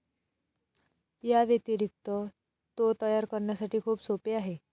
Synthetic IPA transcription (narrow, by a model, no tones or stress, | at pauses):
jaʋjet̪iɾik̚t̪ə | t̪ot̪əjaɾkəɾɳjasaʈiːkʰuːpsopeaɦe